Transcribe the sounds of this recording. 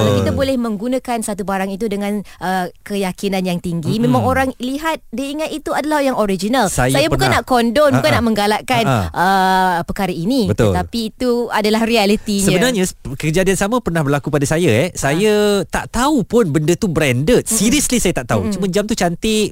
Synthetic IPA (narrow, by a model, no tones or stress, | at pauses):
kit̪abolɛhmə̃ŋɡunãkansat̪ubaɾaŋit̪udəŋãnʔəkəjakinãnjaŋt̪iŋɡimẽmãŋoɾaŋliɦat̪̚dəiŋat̪it̪uadalahjaŋoɾid͡ʒinalsajsajabukannːaʔkɔndɔnbukannːaʔmə̃ŋɡalaʔkanʔəpəkaɾəinibət̪ə̰apiːt̪uadalahrialit̪iɲsəabənarɲakəd͡ʒadiansamãpərnahbərlakupadasajaɛhsajat̪aʔt̪aupʊnbəndət̪ubɾɛndət̪̚siɾiəslisajat̪aʔt̪aut͡ʃumãd͡ʒamt̪ut͡ʃant̪ɪ